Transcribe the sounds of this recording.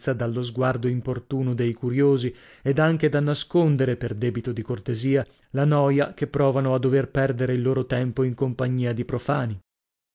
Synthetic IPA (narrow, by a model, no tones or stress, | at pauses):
sad̪alːozɡward̪oimport̪uːnod̪ejkuɾjoːzi | ed̪aŋk̟ed̪anːaskond̪eɾeperd̪ɛːbit̪od̪ikort̪eziːa | lanɔːjakepːɾɔːvanoad̪ːoverpɛrd̪eɾeilːoːɾot̪ɛmpoiŋkompaɲːiːad̪ipɾofaːni